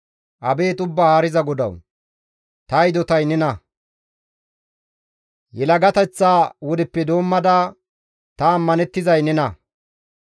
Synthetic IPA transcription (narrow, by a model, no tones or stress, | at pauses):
ʔɐbe̞ːt̪ʊbːaːhaɾɪzɐɡɔd̪ɐ̰w | t̪ɐjd̪ɔt̪ɐjnɛnɐ | jɛlɐɡɐt̪ɛt͡sːaːwɔd̪ɪpːɛd̪o̞ːmːɐd̪a | t̪ɐːmːɐnɛt̪ːɪzɐjnɛnɐ